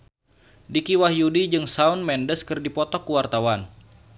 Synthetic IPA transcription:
dikiwaɦjudid͡ʒɨŋsaunmɛndəskɨrdipɔt̪ɔkːuwart̪awan

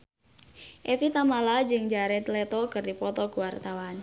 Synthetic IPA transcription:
ʔɛfit̪amalad͡ʒɨŋd͡ʒaɾɛt̪lɛt̪ɔkɨrdipɔt̪ɔkuwart̪awan

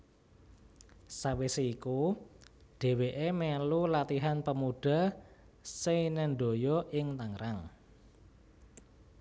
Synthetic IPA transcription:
saweseiku | ɖ̥e̤weʔemelulat̪iɦanpəmuɖ̥a̤ | senɛnɖo̤jɔʔɪŋt̪aŋɾaŋ

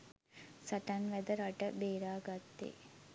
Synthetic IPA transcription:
sɐʈɐnʋɛd̪ɐɾɐʈɐbeːɾaːɡɐt̪ːḛː

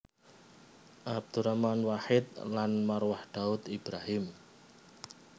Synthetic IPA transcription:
ʔab̚d̪̥uɾamanwaħɪt̪̚lanmarwahd̪̥aʊt̪ib̥ɾaɦɪm

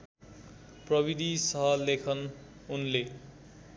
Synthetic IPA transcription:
prʌbid̪ʱisʌɦʌlekʰʌn | unle

